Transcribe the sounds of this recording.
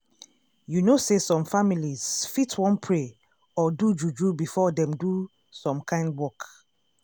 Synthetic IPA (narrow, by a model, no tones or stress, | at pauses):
junosesɔ̃mfamiliz̥fitʰwɔ̃npʰɹe | ɔdud͡ʒud͡ʒubifɔdɛ̃mdu | sɔ̃mkʰãɪ̃ndwɔk